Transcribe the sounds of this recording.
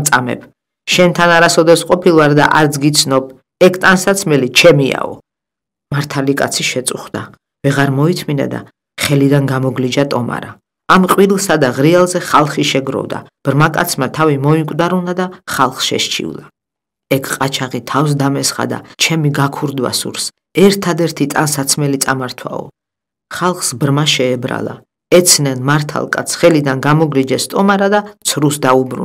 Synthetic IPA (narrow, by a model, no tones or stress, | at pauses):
t̪sʼamɛ̰bʰ | ʃɛnt̪ʰanaɾasɔd̪ɛsqʼɔpʰilˠvaɾd̪aʔaɾd̪zɡit̪sʰnɔb | ɛkʰt̪ʼansat̪sʰmɛlit͡ʃʰɛmia̰ɔ̰ | maɾt̪ʰalikʼa̰t̪sʰiʃɛt̪sʼuχd̪a | vɛʁaɾmɔit̪ʰmina̰d̪a̰ | χɛlid̪anɡamɔɡlid͡ʒat̪ʼɔma̰ɾa | amqʼwiɾlˠsad̪aʁɾialˠzɛχalˠχiʃɛɡɾɔ̰vd̪a̰b̥ɾmakʼa̰t̪sʰmat̪ʰavimɔiŋkʷʼd̪aɾunad̪aχalˠχsʃɛ̰ʃt͡ʃʰḭṵlˠa | ɛkʰqʼat͡ʃʰaʁit̪ʰafs̬d̪amɛsχa̰d̪a̰t͡ʃʰɛmiɡakʰuɾd̪wa̰sṵɾs | ɛɾt̪ʰad̪ɛɾt̪ʰit̪ʼansat̪sʰmɛlit̪ʼamaɾt̪ʰwa̰ɔ̰ | χalˠχsbɾmaʃɛːbɾa̰lˠa̰ | ɛt̪sʰnɛnmaɾt̪ʰa̰lˠkʼa̰t̪sʰχɛlid̪anɡamɔɡlid͡ʒɛst̪ʼɔmaɾad̪at̪sʰɾusd̪aubɾṵ